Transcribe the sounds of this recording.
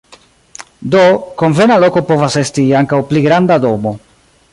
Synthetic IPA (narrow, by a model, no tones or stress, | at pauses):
do̞ko̞ɱve̞naloko̞po̞vase̞stiaŋkawpliɡɾandado̞mo̞